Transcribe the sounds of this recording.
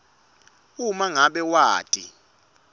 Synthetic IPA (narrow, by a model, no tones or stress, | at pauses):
umaŋaɓɛwaːtʼi